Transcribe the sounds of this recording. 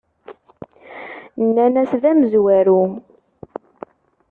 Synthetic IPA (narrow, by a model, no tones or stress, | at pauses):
nːænæsðæməzwæɾu